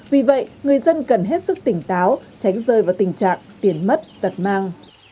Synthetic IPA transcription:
vi˨˩və̰˧˨jŋɨ˨˩əjzə˧nkə˨˩nɦe˦˥t̚sɨ˦˥k̚t̪ï˧˩ŋ̟t̪aː˨˦w | t͡ɕa˨˦jŋ̟zəː˧˩jvaː˨˩wt̪ï˨˩ŋ̟t͡ɕa̰ː˧˨ŋt̪i˨˩ənmə˦˥t̚t̪ə˨˩t̚maː˧ŋ

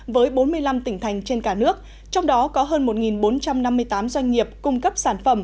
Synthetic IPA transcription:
vəː˨˦jɓo˨˦nmɨ˧əjla˧mt̪ï˧˩ŋ̟t̪ʰa˨˩jŋ̟t͡ɕe˧nkaː˧˩nɨ˦˥ək̚ | t͡ɕɔ˧wŋ͡mɗɔ˨˦kɔ˨˦ɦəː˧nmo˨˩t̚ŋi˨˩nɓo˨˦nt͡ɕa˧mna˧mːɨ˧əjt̪aː˨˦mzwa˧jŋ̟ŋi˨˩əp̚kʊ˧ŋ͡mkə˦˥p̚saː˧˩nfə˧˩m

